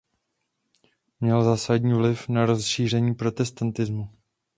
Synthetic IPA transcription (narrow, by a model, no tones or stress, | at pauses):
mɲɛlzaːsaɟɲiːvlɪfnaɾo̞sʃiːr̝ɛɲiːpɾo̞t̪ɛst̪ant̪ɪzmu